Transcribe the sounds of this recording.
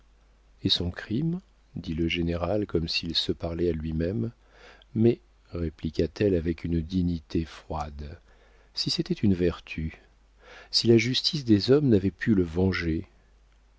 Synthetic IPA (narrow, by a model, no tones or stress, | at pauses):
esɔ̃kχim | d̪iləʒeneʁalkɔmsilsəpaʁlɛalɥimɛmː | ɛ | ʁeplikʲat̪ɛlavɛkynd̪iɲit̪efχwad̪ | siset̪ɛt̪ynvɛʁt̪ʰy | silaʒyst̪ʰis̬d̪ezɔmnavɛpʰyləvɑ̃ʒe